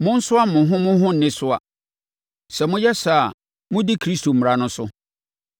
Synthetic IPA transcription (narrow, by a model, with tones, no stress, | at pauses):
mʊ̃˦n̩˦sʊ˦a˦mʊ̃˨ɦʊ̃˦mʊ̃˦ɦʊ̃˦n̩˨nɪ̃˦sʊ˦a̰˨ | sɛ˨mʊ̃˦jɛ˦sa˦˨ | mʊ̃˦di˦kʰɾi˦stʰo˨m̩˨ɾa˨nʊ̃˦sʊ˦